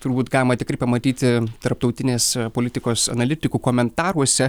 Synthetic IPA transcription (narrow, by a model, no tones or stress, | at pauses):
t̪ʊɾbuːt̪ɡɑːlʲɪmɐt̪ʲɪkɾɐɪpɐmɐt̪ʲiːt̪ʲɪt̪ɐɾp̚t̪ɒʊt̪ʲɪnʲeːspoːlʲɪt̪ʲɪkoːsɐ̰nɐlʲɪt̪ʲɪkuːkoːmʲɛnt̪ɑːɾuɔsʲɛ